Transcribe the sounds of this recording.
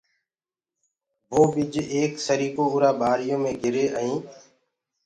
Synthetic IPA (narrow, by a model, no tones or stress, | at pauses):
ʋoːʋɪd͡ʒeːksəɾiːkoːʊɾaːbʱaːɾɪjõːmẽːɡʱɪɾeːʔəĩː